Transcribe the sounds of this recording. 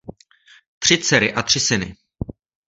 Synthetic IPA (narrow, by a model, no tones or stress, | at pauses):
t̪r̝̥ɪt͡sɛɾɪʔat̪r̥ɪsɪnɪ̰